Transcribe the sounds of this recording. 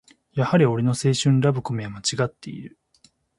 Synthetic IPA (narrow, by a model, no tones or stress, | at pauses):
jahaɾʲio̞ɾʲeno̞se̞ːɕɨ̃nɾabɯ̟ko̞mʲiamat͡ɕiɡat̪ːe̞̰ḭɾɯ̟